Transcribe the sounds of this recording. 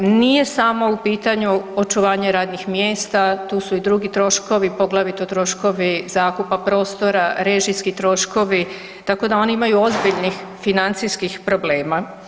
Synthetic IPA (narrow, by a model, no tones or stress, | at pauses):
nije̞samo̞upiːt̪aɲuo̞t͡ʃuʋaːɲeɾaːd̪nixmjeːst̪at̪uːsuid̪ɾuɡit̪ɾo̞ʃko̞ʋipo̞ɡlˠaʋit̪ot̪ɾo̞ʃko̞ʋizaːkupapɾo̞ːst̪o̞ɾaɾe̞ʒiskit̪ɾo̞ʃko̞ʋi | t̪ako̞d̪ao̞niimajuo̞zbiʎnixfinant̪siskixpɾo̞ble̞ːma